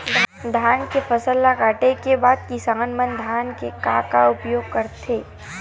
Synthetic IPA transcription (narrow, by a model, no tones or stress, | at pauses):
d̪ʱd̪ʱaːnkefʰəsəlːakaːʈekebaːd̪̚kisəŋɡənmə̃nd̪ʱaːnkekaːkaʊpjoːɡ̚kəɾt̪ʰeː